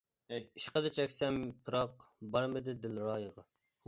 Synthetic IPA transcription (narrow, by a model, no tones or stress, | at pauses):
iʃqəd̪ɨt͡ʃʰɛkʲsɛmpʰɨɾɑqbɑɾmɪd̪ɪd̪ɪlɾɑːjəʁɑ